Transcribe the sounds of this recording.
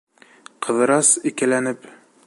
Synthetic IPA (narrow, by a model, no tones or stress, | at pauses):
qʰɤ̆ðɤ̆ɾɑsikælænɘp